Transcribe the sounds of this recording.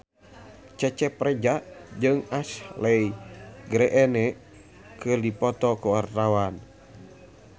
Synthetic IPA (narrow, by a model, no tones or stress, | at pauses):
t͡ʃɛt͡ʃɛprɛd͡ʒaʔd͡ʒɨŋaslɛjɡɾɛʔɛnɛ | kɨrdipɔt̪ɔkuwart̪awan